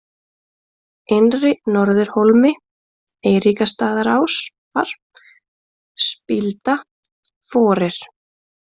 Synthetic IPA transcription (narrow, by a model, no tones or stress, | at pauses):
enrɪnɔɾðɪɾ̥holmɪ | eːjɾikast̪aːðaɾaws | va̰ɾ̥ | spɪlt̪a | fɔːɾɪɾ̥